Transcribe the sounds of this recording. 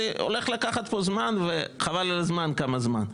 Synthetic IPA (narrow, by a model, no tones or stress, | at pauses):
eʔo̰leχlakaχat̪̚po̞zmanveχavalalazmankamazma̰n